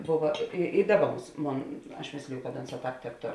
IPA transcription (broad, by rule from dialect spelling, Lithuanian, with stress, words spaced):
ˈboːʋɐ ɪ ɪ ˈdɑːˌbɐ ˈbuːs ˈmoːn ɐʃ ˈmʲeːsʲlʲɪjʊ kɐt ˈoːnˌsɑː ˈtɑːp tʲɛpˈtoːr